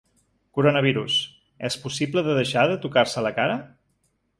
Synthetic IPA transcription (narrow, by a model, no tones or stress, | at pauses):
kuɾonəβ̞iɾus | ɛspusipləðəðəʃaðət̪ukaɾsələkaɾə